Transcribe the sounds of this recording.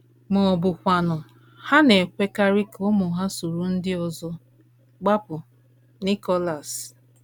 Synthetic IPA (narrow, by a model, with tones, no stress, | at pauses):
mʊ˨ɔ˨bʊ˨kʷa˨nʊ˨ | ha˦ne˨kʷe˦ka˦ɾi˦kʊ˦mʊ˨ɦa˦su˨ɾu˨n̩˦dɪ˦ɔ˨zɔ˦ | ɡ͡ba˦pʊ˨ | ni˦kɔ˦la˨s